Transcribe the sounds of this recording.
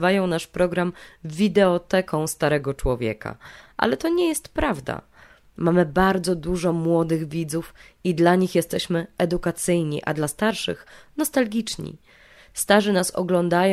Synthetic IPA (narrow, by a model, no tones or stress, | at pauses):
vajɔ̃w̃naʂpɾɔɡɾamvʲid̪ɛɔt̪ɛkɔ̃w̃st̪aɾɛɡɔt͡ʂwɔvʲjɛ̰ka̰ʔa̰lɛt̪ɔɲɛjɛst̪pɾavd̪a̰ | mamɘbaɾd̪zɔd̪uʐɔmwɔd̪ɘɣvʲid̪zufid̪laɲixjɛst̪ɛɕmɘɛd̪ukat̪sɘjɲḭʔa̰d̪last̪aɾʂɘ̰xnɔst̪alɡʲit͡ʂɲḭ | st̪aʐɘnasɔ̰ɡlɔnd̪aj